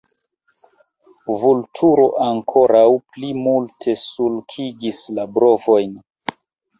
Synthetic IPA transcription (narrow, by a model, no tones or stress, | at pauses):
vultʰuɾo̞ʔaŋkʰo̞ɾawplimultʰe̞sulkʰiɡislabɾo̞vo̞jn